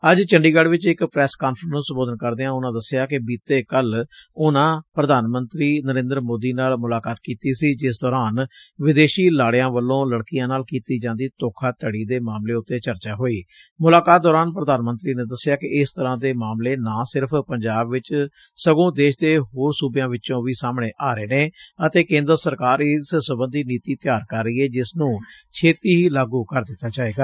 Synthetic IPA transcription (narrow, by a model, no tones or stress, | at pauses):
əd͡ʒt͡ʃəɳɖiːɡəɖʋɪt͡ʃɪkpɾɛːskaːnfʰɾənəsəmboːd̪ənkəɾd̪eːãːʊnãːd̪əsɪjaːkɪbiːt̪ːeːkəlʊnãːpɾəd̪aːnmənt̪ɾiːnəɾẽːnd̪əɾmoːd̪iːnaːlmʊlaːkaːt̪kiːt̪iːsiːd͡ʒɪs̬d̪ɔːɾaːnʋɪd̪eːʃiːlaːɽjãːʋəlːõːləɽkɪjãːnaːlkiːt̪iːd͡ʒãːnd̪iːt̪oːkʰaːt̪əɽiːd̪eːmaːmleːʊt̪ːeːt͡ʃəɾt͡ʃaːɦoːiː | mʊlaːkaːt̪̚d̪ɔːɾaːnpɾəd̪aːnmənt̪ɾiːnẽːd̪əsɪjaːkɪɪst̪əɾãːd̪eːmaːmleːnãːsɪɾpʰpəɲd͡ʒaːbʋɪt͡ʃ | səɡõːd̪eːʃd̪eːɦoːɾsuːbjãːʋɪt͡ʃõːʋiːsaːmɽ̃eːʔaːɾeːneːət̪eːkẽːnd̪əɾsəɾkaːɾissəbənd̪iːniːt̪iːt̪jaːɾkəɾːəiːɛːd͡ʒɪsnũːt͡ʃʰeːt̪iːɦiːlaːɡuːkəɾd̪ɪt̪ːaːt͡ʃaːeːɡaː